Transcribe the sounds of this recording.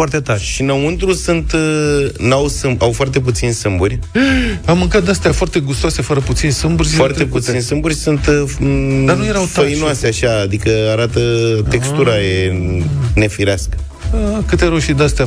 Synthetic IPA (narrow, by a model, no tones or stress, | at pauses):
art̪et̪aɾʃinəunt̪ɾusunt̪ | nawsɨmawfoart̪e̞p̬ut̪sinsɨmburʲ | amːɨŋkat̪̚d̪ast̪eafoart̪e̞ɡust̪oasefəɾəput̪sinsɨmburʲfoart̪eput̪sinsɨmburʲsunt̪ | d̪anujeɾawtfəinoaseaʃaːd̪ikəaɾat̪ət̪e̞kst̪uɾaje | ne̞fiɾeaskə̥ | kɨt̪eɾawʃid̪ast̪ea